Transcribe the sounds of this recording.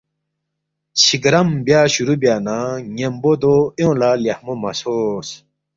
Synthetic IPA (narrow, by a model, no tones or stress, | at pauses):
t͡ɕʰiɡɾɐmbjaːɕuɾubjaːnãːŋembod̪ojõlaːljahmomɐsos